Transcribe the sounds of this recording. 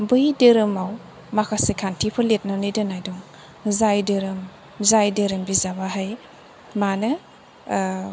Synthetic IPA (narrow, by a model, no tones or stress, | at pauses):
bɯjdɯɾɯmaw | makʰasekʰantʰipʰɯlet̚nanɯdɯnajdɔŋ | zajdɯɾɯm | zajdɯɾɯmbizabaɦaj | manɯ